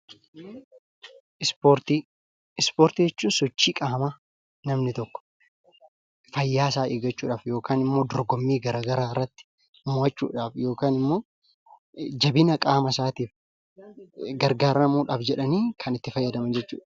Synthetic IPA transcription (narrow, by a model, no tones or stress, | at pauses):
ɪspoːɾt̪i | ɪspoːɾt̪id͡ʒɛt͡ʃːuːnsɔt͡ʃːiːkʼaːma | nɐmnɪt̪ɔkːɔ̥ | fɐjːaːsaːeːɡɐt͡ʃːuːᶑaːfjo̞ːkaːnɪmːoːd̪ɔɾɡɔmːiːɡɐɾaːɡɐɾaːɪrːɐt̪ːɪ̥ | mʊʔɐt͡ʃːṵːᶑaːfjo̞ːkaːnɪmːo̞ː | d͡ʒɐbɪnɐkʼaːmɐsaːt̪iːf | ɡɐɾɡaːɾɐmuːᶑaːfd͡ʒɛᶑɐniːkʰɐnɪt̪ːɪfɐjːɐd̪ɐmɐnd͡ʒɛt͡ʃːṵːᶑ